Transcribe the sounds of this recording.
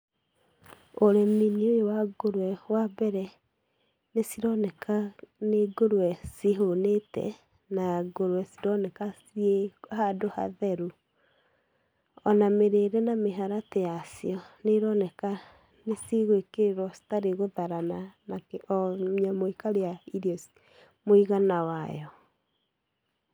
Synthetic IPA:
oɾeminiojowaɡoɾwɛwabɛɾɛ | nesiɾɔnɛkʰaneɡoɾwɛseɦonetɛ̰ | naɡoɾwɛsiɾɔnɛkasiehadoha̰ðɛɾu | ɔnameɾeɾɛnameɦaɾatejasiɔneɾɔnɛka | neseɣoekeɾeɾwɔsi̥taɾeɣoðaɾananakɛʔɔɲamoikaɾejaiɾiɔs | moiɣanawajɔ

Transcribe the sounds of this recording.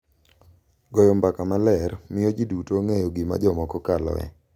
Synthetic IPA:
ɡɔjɔmbakamalɛrmɪjɔd͡ʒidutoŋejɔɡima̰d͡ʒɔmɔkɔkalɔ̰ɛ̰

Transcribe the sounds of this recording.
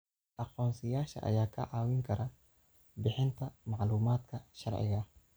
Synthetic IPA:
ʔɑqɔːnsɪjaːʃɐ̰ʔɐ̰jaːkʰɐ̰ʕɑːwɪŋkʰɐɾɐ | bɪħɪnt̪ʰɐmɑʕluːmaːd̪kʰɐʃɐrʕɪ̰ɣɐ

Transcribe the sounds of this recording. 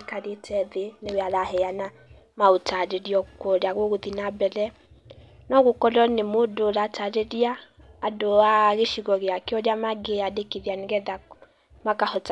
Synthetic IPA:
kaɾetʰɛðenewealahɛjana | maotaɾeɾjɔkɔdaɣoɣoðinabɛlɛ | nɔɣokɔlɔnemodolataɾeɾjaːdoaɣeʃiɣɔɣeakeɔdamaɡeadekeðjaneɣɛða | makahɔt

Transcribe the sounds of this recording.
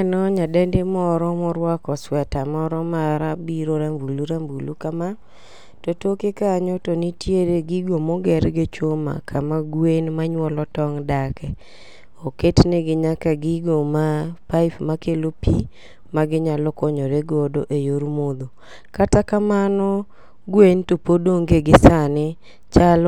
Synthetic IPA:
nɔɲadɛndemɔɾɔmɔɾwakɔswɛtamɔɾɔmaɾabiɾoɾambuluɾambulukama | totokekaɲotonitjeɾeɡiɡomɔɡɛɾɡɪt͡ʃoma̰kʰamaɡwenmaɲwɔlɔtɔŋdakɛ | oketneɡɪɲakaɡɪɡomapaɪpmakelopi | maɡɪɲalɔkɔɲoɾeɡɔdoʔejoɾmod̪o | katakamanɔ | ɡwentopodoŋɡeɡɪsanɪ | t͡ʃal

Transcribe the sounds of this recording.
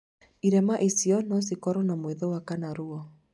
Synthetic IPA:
iɾɛmaʔesiɔnɔs̬ikɔɾɔnamweðowakanaɾuɔ

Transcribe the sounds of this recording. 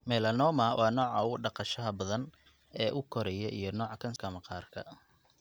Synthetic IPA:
mɛːlɐnɔːmɐwʔɑːnɔːʕɐʊɖɑqɑʃɐɦɐbɐðɐn | ɛːʔʊkʰɔɾɐjɐʔijɞnɔːʕkʰɐnskʰɐmɐqɑːrkʰɐ̰

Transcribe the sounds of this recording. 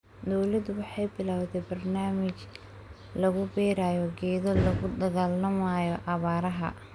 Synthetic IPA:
d̪ɔwlɐd̪ʊwɑħɑjbɪlaːwd̪ɛbɐrnaːmɪt͡ʃ | lɐɣʊbɛːɾaːjɔɡɛːðɔlɐɣʊd̪ɐɣaːlɐmaːjɔʔɑβaːɾɐɦɐ̰

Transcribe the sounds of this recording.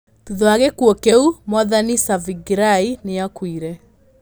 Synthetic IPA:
tuðɔaɣekuɔkeumɔðanisaviɡiɾaineakwiɾɛ

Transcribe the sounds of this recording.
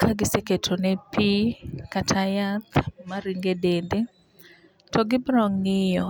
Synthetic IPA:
kʰaɡɪseketʰonɛpikatʰajat̪maɾiŋɡedende | tɔɡɪbɾɔŋːɪjɔ

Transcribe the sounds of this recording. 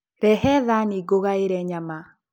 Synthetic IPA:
ɾɛhɛðaniɡoɣaeɾɛɲama

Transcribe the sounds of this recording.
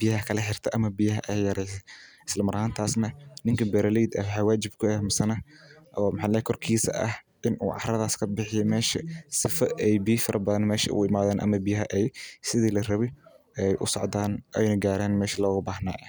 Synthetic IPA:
b̥ɪjɐɦɐkʰɐlɐħɪr̥t̪ʰɐʔɐmɐbɪjɐɦɐʔɛjjɐɾɛjsɛɪslɐmɐɾhaːnt̪ʰaːsnɐnɪŋkʰɐbɛɾɐlijd̪ɐwħawaːd͡ʒɪbkʰʊɛhmɪsɐnɐʔɔːmɪħaːlɛjɛkʰɔrkʰiːsɐ̰ʔɐ̰h | ʔɪnʔṵːʕɑ̰ħrɐðaːskʰɐbɪħɪjɔmɛːʃɐsɪfɐɛjbɪjɪfɐɾʔɐbɐðɐnmɛːʃɐ̰ʔʊ̰ɪmaːðɛːnʔɐ̰mɐbɪjɐɦɐʔɛjsɪðiːlɐrɐβɪ | ɛjʔʊ̰sɔ̰ʕd̪aːnʔɛjnɐɡaːɾɛːnmɛːʃɐlɔːɣɐbaːhna̰ːʔɐ

